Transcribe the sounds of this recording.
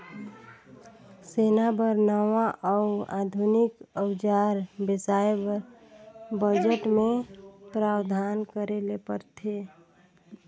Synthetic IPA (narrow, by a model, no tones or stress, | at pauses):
senabəɾnəwaʔɔʊad̪ʱunikəwd͡ʒaɾbɪsaebɾ | bəd͡ʒəʈmepɾawd̪ʱankəɾelepəɾt̪ʰe